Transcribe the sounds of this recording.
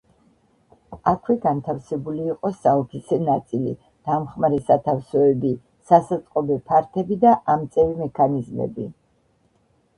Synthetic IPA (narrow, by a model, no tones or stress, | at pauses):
akʰwɛɡant̪ʰafsɛbuliːqʼɔsaɔpʰisɛnat̪sʼilḭ | d̪̥amχmaɾɛsat̪ʰafsɔɛbi | sasat̪sʼqʼɔbɛpʰaɾt̪ʰɛbid̪aʔamt̪sʼɛvimɛkʰanizmɛ̰bi